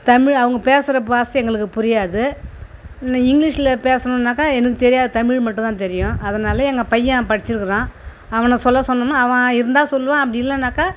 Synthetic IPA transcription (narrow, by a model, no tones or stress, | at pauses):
t̪ɐmɪɻɐʋɐŋɡɐpeːsɪɾɐpaːsiɛŋɡɐɭɯkːɯpʊɾɪjaːðɯ | ɪŋɡlɪʂɪlɐpeːsɐnɐnːaːkːaːɛnɐkːɯt̪ɛɾɪjaːðɯt̪ɐmɪɻmɐʈːʊ̃t̪ãːt̪ɛɾɪjʊ̃ʔɐðɐnaːlɐɛŋɡɐpɐjːɐ̃pɐɽɪt͡ʃːɪɾɯkːɯɾãː | ɐʋɐnɐsɔlːɐsɔnːɐnːaːɐʋɐ̃ɪɾɯnd̪aːsɔlːɯʋãːɐpːɐɽɪɪlːɐnːaːkːaː